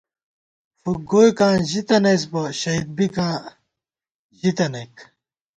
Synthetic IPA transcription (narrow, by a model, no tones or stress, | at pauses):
fuɡoːjkãːʑit̪ɐnes̬pɐɕɐid̪̚bikãː | ʑit̪ɐnek